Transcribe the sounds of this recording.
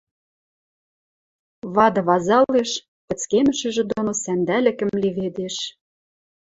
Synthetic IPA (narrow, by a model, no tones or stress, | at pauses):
βɑd̪ɤ̆βɑzɑleʃ | pɘ̆t͡skemɘ̆ʃɘ̆ʒĕd̪onosænd̪ælɘ̆kə̆mleβed̪eʃ